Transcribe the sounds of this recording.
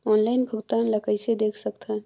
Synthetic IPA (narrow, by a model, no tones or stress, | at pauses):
ɔːnlaɪnbʱʊɡt̪aːnləkəjsed̪eːkʰsəkt̪ɦɛ